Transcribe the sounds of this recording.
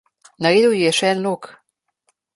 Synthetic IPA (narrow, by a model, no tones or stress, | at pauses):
naɾeːd̪əwjjɛʃɛɛnloːk